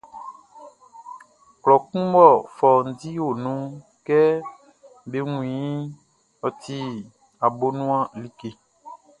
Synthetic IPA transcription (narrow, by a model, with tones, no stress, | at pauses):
klɔ˨kũ˦bɔ˦˨fɔ˨n̩˨ti˦wo˨nũ˦ | kɛ˦ | be˨˦ŋũ˨ĩ˨˦ | ɔ˨t̪ʰi˦ | a˨bo˦nũ˦ã˦li˦ke˨